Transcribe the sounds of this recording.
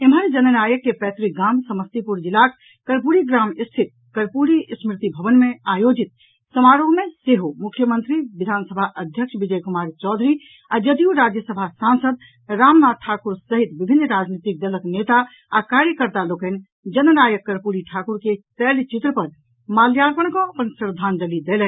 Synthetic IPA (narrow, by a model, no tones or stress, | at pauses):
emɦəɾd͡ʒənənajəkːepɛt̪ɾiɡaːmsəməst̪ipuɾd͡ʒilak | kəɾpuɾiɡɾaːmist̪ʰit̪̚ | kəɾpuɾismɾɪt̪ibʱəʋənmeajod͡ʒit̪ | səmaɾoɦmeseɦomukʰːjəmənt̪ɾiʋid̪ʱaːnsəbʱaʔəd̪ʱjəkʃʋid͡ʒəjkumaːɾt͡ʃɔːd̪ʱɾi | ad͡ʒəd̪iuɾad͡ʒjəsəbʱasansəd̪ | ɾamnad̪̚ʈʰakuɾsəɦit̪bibʱinːɾad͡ʒnit̪ik̚d̪ələknet̪a | akaɾjəkəɾt̪alokən | d͡ʒənənajəkːəɾpuɾiʈʰakuɾkep̪ɛlt͡ʃit̪ɾəpəɾ | maljaɾpəɽ̃kɔ̃əpənsɾd̪ʱand̪əlid̪elɛ